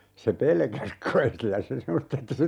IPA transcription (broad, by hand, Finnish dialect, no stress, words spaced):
se pelkæs kɑi silːæ se semːost etːe se